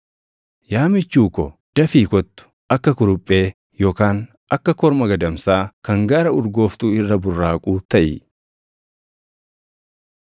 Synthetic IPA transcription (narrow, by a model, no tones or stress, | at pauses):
jaːmɪt͡ʃːuːkɔd̪̥ɐfiːkɔt̪ːʊ̥ʔɐkːɐkʊɾʊpʼːe̞ː | jo̞ːkaːn | ʔɐkːɐkɔɾmɐɡɐd̪ɐmsaːkɐŋɡaːɾɐʊɾɡo̞ːft̪uːɪrːɐbʊrːaːkʼuːt̪ɐʔɪ̰